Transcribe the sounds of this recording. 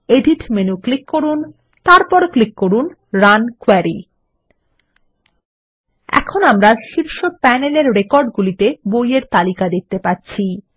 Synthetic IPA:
eɖiʈmenuklikːoɾun | t̪aɾpɔɾklikːoɾun | ɾankwɛɾi | ɛ̰kʰonamɾaʃiɾʃopɛneleɾɾekɔɾɖɡulit̪ebojeɾt̪alikad̪ikt̪ːepatːɕʰi

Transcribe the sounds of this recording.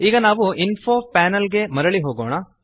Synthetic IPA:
iːɡɐnaːʋuinfʰoːpɛːnɐlɡe̞mɐɾɐɭiɦoːɡoːɳɐ

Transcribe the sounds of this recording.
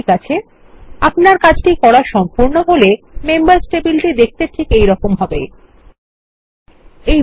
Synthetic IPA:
kat͡ɕʰe | apnaɾkat͡ɕʰʈikɔɽaʃɔmpuɾnoɦolemembaɾsʈebilʈid̪ek̚t̪eʈʰikejɾɔkomɦɔbe | ej

